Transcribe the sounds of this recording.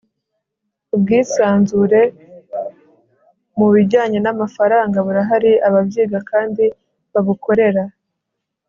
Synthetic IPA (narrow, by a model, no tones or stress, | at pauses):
ub̚ɡiːsaːnzuɾe̞ | muβiɟaːɲe̞namafaɾaːŋɡaβuɾaɦaɾiaβabɟiːɡakaːndi | βaβuko̞ɾe̞ɾa